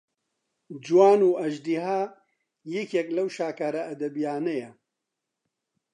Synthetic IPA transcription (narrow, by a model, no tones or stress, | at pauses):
d͡ʒuwaːnuːʔɐʒd̪iɦaː | jɛkjɛklɐwʃaːkaːɾɐɐd̪ɐbijaːnɐjɛ